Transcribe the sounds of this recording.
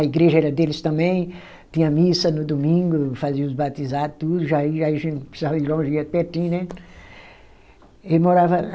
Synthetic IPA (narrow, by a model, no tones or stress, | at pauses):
ɐiɡɾeʒɐɛɾɐd̪elɪst̪ɐ̃mbẽj̃ | t̪ĩɲɐmisɐnʊd̪omĩŋɡʊfaziɐʊzbat̪izad̪ʊt̪ud̪ʊʒaiʒaiɐʒẽnt̪pɾɪsizavɐd̪ɪlõʒiɐd̪peɾt̪ĩnɛ̃ | emoɾavɐ